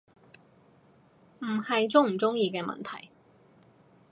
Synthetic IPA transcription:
m̩˨˩hɐ˨jt͡sʊ˥ŋm̩˨˩t͡sʊ˥ŋjiː˧kɛː˧mɐ̰˨nt̪ʰɐ̰˨˩j

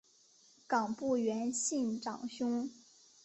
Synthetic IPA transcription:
kɑ˨˩ŋpu˥˩ɥɛ˧˥nɕi˥˩nʈ͡ʂɑ̰˨˩ŋɕʊ˥ŋ

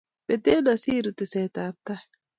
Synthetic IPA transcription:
be˨t̪e˦na˨siː˦ɾu˨t̪e˨sɛ˨t̪aː˨p̚t̪a˦

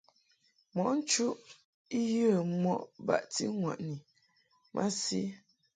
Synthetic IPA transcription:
mɔ˨n̩˦t͡ʃu˦ʔ | i˦jə˦˨˦mɔ˦ʔba̰˨ʔti˦ŋwa̰˨ʔni˨ | mʔa̰˦si˦

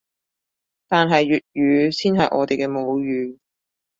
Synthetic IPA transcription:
t̪aː˨nɦɐ˨jːyː˨t̚jyː˨˧siː˥nɦɐ˨jʔɔ̰ː˨˧t̪e˨jkɛː˧mo˨˧wjyː˨˧

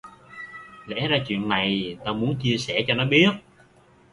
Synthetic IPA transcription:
lɛ̰˧˥zaː˧t͡ɕwḭ˧˨ənːa˨˩jt̪aː˧mu˨˦ənt͡ɕi˧əsɛ˧˩t͡ɕɔ˧nɔ˨˦ɓi˦˥ət̚

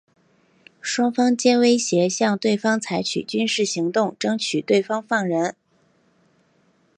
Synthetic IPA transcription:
ʂwɑ˥ŋfɑ˥ŋt͡ɕjɛ˥nwe˥ɪɕjɛ˧˥ɕjɑ˥˧ŋt̪we˥˩ɪfɑ˥ŋt͡sʰa˧˥ɪt͡ɕʰy̰˨˩t͡ɕy˥nʂɻ̩˥˩ɕi˧˥ŋt̪ʊ˥˩ŋʈ͡ʂɤ˥ŋt͡ɕʰy˨˩t̪we˥˩ɪfɑ˥ŋfɑ˥˩ŋɻə˧˥n

